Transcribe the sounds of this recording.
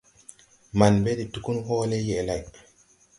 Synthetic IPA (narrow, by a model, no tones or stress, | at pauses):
manbeditukunhɔːlɛjɛlaj